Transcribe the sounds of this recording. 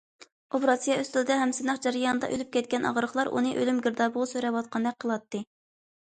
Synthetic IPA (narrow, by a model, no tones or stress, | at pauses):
obɾɑsijɑøst̪ɪld̪ɛɦɛmsɪnɑχd͡ʒɛɾɪjɑnɨd̪ɑ̰ʔølyp̚kʲɛt̪̚kʲɛnɑ̰ʁɾəχlˠɑɾʔṵnɨʔølymɡʲiɾd̪ɑbʊʁʊsøɾɛwɑt̪̚qʰɑnd̪ɛk̚ʲqʰəlˠɑt̪ːɨ